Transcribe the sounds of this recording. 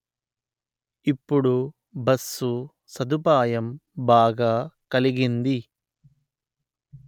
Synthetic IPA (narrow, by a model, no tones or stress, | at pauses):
ipːuɽu | bɐsːu | sɐd̪upaːjɐmbaːɡaːkɐliɡind̪i